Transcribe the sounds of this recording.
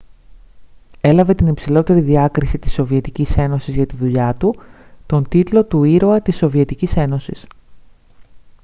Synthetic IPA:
e̞lɐve̞t̪inipsilo̞t̪e̞ɾiðiɐkɾisit̪i̥so̞vie̞t̪icise̞no̞sizʝɐt̪iðuʎɐt̪ut̪o̞nt̪it̪lo̞t̪uiɾoɐt̪iso̞vie̞t̪icise̞no̞sis

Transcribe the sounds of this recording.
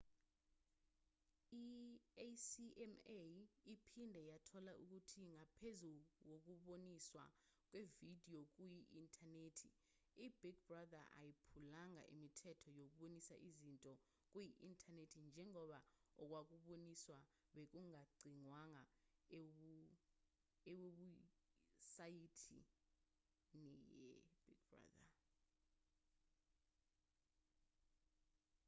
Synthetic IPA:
i | siɛmeipʰindʱɛjatʰɔlaʔuk̬utʰiŋapʰezuwok̬uɓoniswa̰ | k̬wevidʱiok̬ʼujiʔintʰʼaneːtʰi | ib̥iɡ̚b̥radaʔa̰jipʰulaŋa̰ʔḭmitʰɛtʰɔjok̬uɓonisa̰ʔizintʼɔ | k̬wiʔintʰʼanetʰind͡ʒʱɛŋɔɓaɔk̬ʼwak̬ʼuɓoniswa | ɓek̬uŋaɡ͡ǀʱiŋwaŋaeu | eweɓu | sajitʰḭ | nijɛ̰b̥iɡbra̰ða̰

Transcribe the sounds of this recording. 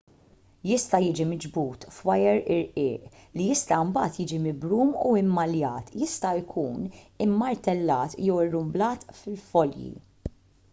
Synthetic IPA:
jɪst̪ɐjɪːd͡ʒimɪd͡ʒbuːt̪fwɐjɛɾɪɾʔɪːʔlijɪst̪ɐʊmbɐːt̪jɪːd͡ʒimɪbɾuːmuɪmːɐljɐːt̪jɪst̪ɐjkʰuːnɪmːɐɾt̪ɛlːɐːt̪jɛwɪrːʊmblɐːt̪fɪlfɔljḭ

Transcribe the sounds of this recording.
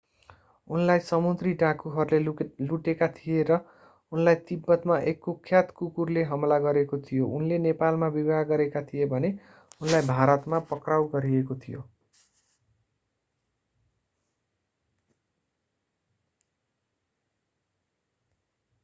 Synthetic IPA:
unlajsʌmund̪riɖãkuɦʌɾuleluʈekat̪ʰijeɾʌ | unlajt̪ibːʌt̪maʔekːokʰjat̪kukurleɦʌmlaɡʌɾekot̪ʰijounlenepalmabibaɡʌɾekat̪ʰijebʱʌne | unlajbʱaɾʌt̪mapʌkrawɡʌɾiekot̪ʰijo̰

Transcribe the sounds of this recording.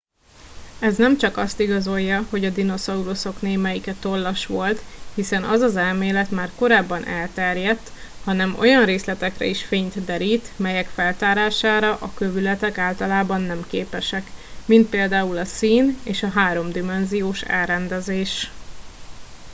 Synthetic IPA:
ɛznɛmt͡ʃɒkɒst̪iɡɒzo̞jːɒho̞ɟɒd̪ino̞sɒuɾoso̞kneːmɛjikɛt̪o̞lːɒʃʋo̞lt̪hisɛnɒzɒzɛlmeːlɛt̪maːrko̞ɾaːbːɒnʔɛlt̪ɛrjɛt̪ːhɒnɛmo̞̰jɒnreːslɛt̪ɛkrɛ̰iʃfeːɲt̪d̪ɛɾiːt̪mɛjɛkfɛlt̪aːɾaːʃaːɾɒʔɒkøvylɛt̪ɛkaːlt̪ɒlaːbɒnːɛmkeːpɛʃɛkmint̪̚peːld̪aːulɒsiːneːʃɒɦaːɾo̞md̪imɛnzijoːʃɛ̰lrɛnd̪ɛzeːʃ

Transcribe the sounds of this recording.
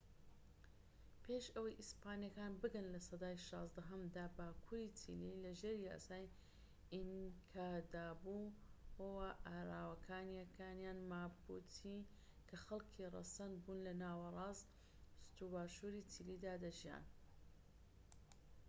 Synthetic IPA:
pʰeʃɐwɐjʔispaːnijɐkaːnbɨɡɐnlɐsɐd̪aːjʃɑːzd̪ɐɦɐmd̪aːbaːkʰuːɾiːt͡sʰḭlilɐʒeːɾja̰ːsaːj | iŋkʰaːd̪aːbuhowaʔaːɾaːwɐkʰaːnjɐkʰaːnjaːnmaːbut̪ʰi | kʰɐxɐlkʰirˤɐ̰sɐnd̪̚buːnlɐnaːwɐrˤɑːst̪ | st̪ubaːʃuɾiːt͡sʰilid̪aːd̪ɐʒija̰ːn

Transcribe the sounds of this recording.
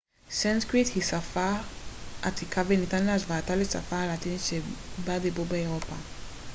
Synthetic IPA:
sãnskɹithisafa | ʔatikavẽnitaniazvatalisa̰falatĩnsebadebɔbɛɛɾɔpa

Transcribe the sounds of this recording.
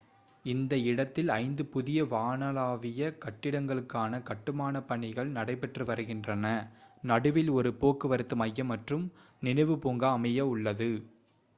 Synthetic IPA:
ɪnd̪ɐɪɽɐt̪ːɪlɐɪnd̪ɯpʊðɪjɐʋaːnɐlaːʋɪjɐkɐʈːɪɽɐŋɡɐɭɯkːaːnɐkɐʈːɯmaːnɐpːɐɳɪɣɐɭnɐɽɐɪp̬ːɛʈrɯʋɐɾɯɣɪndrɐnɐnɐɽɯʋɪlɔɾɯpoːkːɯʋɐɾɯt̪ːɯmɐjːɐmːɐʈrɯm | nɪnɐɪʋɯpuːŋɡaːmɐjɐʊɭːɐðɯ

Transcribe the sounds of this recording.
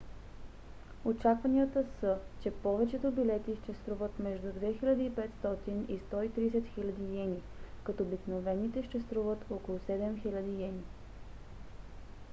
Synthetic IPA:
ot͡ʃakvɐniət̪əsət͡ʃɛpɔvɛt͡ʃɛt̪obilɛt̪iʃt̪ɛst̪ɾuvət̪mɛʒd̪ud̪vɛxilʲɐd̪iːpɛt̪st̪ɔt̪inist̪ɔit̪ɾiːs̬ɛt̪xilʲɐd̪ijɛnikɐt̪oobiknovɛnit̪ɛʃt̪ɛst̪ɾuvət̪ɔkolˠusɛd̪ɛmxilʲɐd̪ijɛni

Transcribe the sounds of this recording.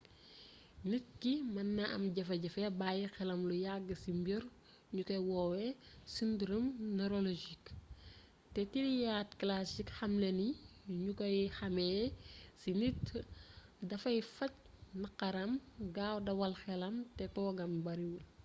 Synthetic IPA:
nit̚kimɐnːɐʔɐ̰mɟɐfɐɟɐfɛbajixɛlɐmlujaɡːəsimbiɾ | ɲukɐjwɔːwesindɾumneɾoloʒik | tɛtiɾijaːtklasikxɐmleniɲukɐjxɐmɛsinit | dɐfɐjfɐc | nɐqɐɾɐmɡawdɐwɐlxɛlɐmtɛtɔːɡɐmbɐɾiwul

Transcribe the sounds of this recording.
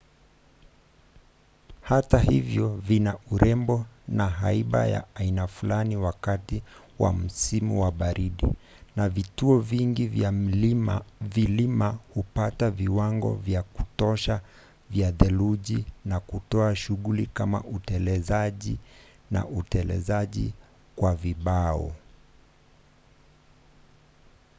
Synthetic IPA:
hatahivjɔvinauɾɛmbɔnaɦaiɓa̰ja̰ːinafulaniwakati | wa̰m̩simuwaɓaɾiɗḭ | navituɔviŋɡiva | vilimahupataviwaŋɡɔ̰vjaku̥tɔʃa | vjaðɛluʄinakutɔaʃuɠulikama̰ʔutɛlɛzaʄi | na̰ʔutɛlɛ̰zaʄi | kwaviɓaɔ̰

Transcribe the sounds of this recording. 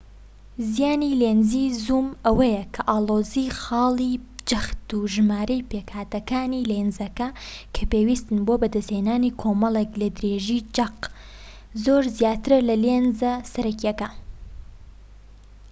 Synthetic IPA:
zijaːnilenzizumɐwɐjɛkʰɐʔaːloːzixɑːlˠid͡ʒɐxt̪uʒɨmaːɾɐjpeːkhaːt̪ɐkaːnilenzɐkɐkʰɐpeːwist̪ɨnboːbɐd̪ɐsheːnaːniːkʰoːmɐlˠeklɐd̪ɾeːʒid͡ʒɐq | zoːɾzijaːt̪ɨɾlɐlenzɐsɐɾɐkjɛkɐ

